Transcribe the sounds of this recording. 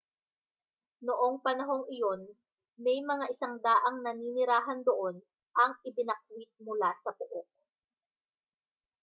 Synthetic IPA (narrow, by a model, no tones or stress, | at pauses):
noʔo̞ŋpɐnɐɦo̞ŋɪjo̞n | mɛjmɐŋaʔɪsaŋd̪aːʔɐŋnɐniːnɪɾaːɦɐnd̪oʔo̞n | ʔɐŋʔɪbɪnɐk̚wɪt̪̚mʊlasɐbʊʔok̚